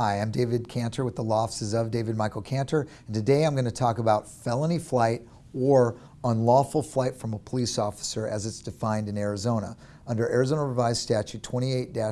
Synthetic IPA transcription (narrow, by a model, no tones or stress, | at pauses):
aɪãɪ̃mdeɪvɨd̚kʰæ̃ntʰə˞wɨðəlɔfsɨzʌvdeɪvɨd̚maɪkl̩ˠkʰæ̃ntʰə˞ | n̩tʰɨdeɪãɪ̃mɡʌñɨtʰɔkəbaʊtfɛlˠə̃niflaɪɾ | ə˞ | ʌ̃nlɔfl̩ˠflaɪtfɹʌ̃məpʰəlisɔfə̥sə˞ʔɨzɨtsd̥ɨfãɪ̃ndɨ̃nɛɹɨzõʊ̃nə̰ | ʌ̃ndə˞ʔɛɹɨzoʊ̃nəɹɨvaɪz̥stæt͡ʃʉtʰw̥ɛ̃ɾ̃ieɪt̚d̥æ